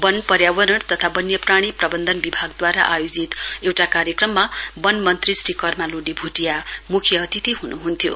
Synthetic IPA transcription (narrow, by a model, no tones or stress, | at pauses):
bʌnpʌɾjabʌɾʌɽt̪ʌt̪ʰabʌnjʌpraɽ̃iprʌbʌnd̪ʱʌnbibʱaɡd̪waɾaʔajod͡zit̪ewʈakaɾjekrʌmːabʌnmʌnt̪risʈikʌrmaluɖibʱuʈijamukʰjʌʌt̪it̪iɦunuɦunt̪ʰjo̰